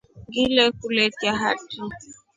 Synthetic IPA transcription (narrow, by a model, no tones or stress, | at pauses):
ɡilɛkuletjaɦa̰tʰa